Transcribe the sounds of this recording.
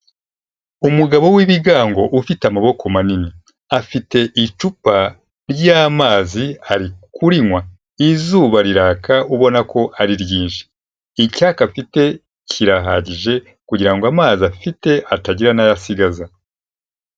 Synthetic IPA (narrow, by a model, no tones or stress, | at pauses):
umuɡaβo̞wiβiɡaːŋɡo̞ʔufiteamaβo̞kʰo̞manini | afite̞ʔit͡ʃupa | ɾɟaːmaːziaɾikuɾiŋwa | izuːβaɾiɾaːkauβo̞nako̞ʔaɾiɾjiːnʃi̥ | icakafite̞ | cʰiɾaɦa̰ɟiʒe̞ | kuɟiɾaŋɡoamaːziafite̞ʔataɟiɾanajasiɡaza